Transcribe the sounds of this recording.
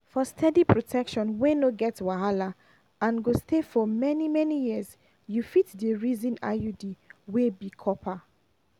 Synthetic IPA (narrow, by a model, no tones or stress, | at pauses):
fɔstʰɛdipʰɹotʰɛkʃɔ̃nwenoɡɛtwaɦala | ãnɡostefɔmɛnimɛnijiəz | jufitdəɹizĩna̰judiwebikʰɔpʰa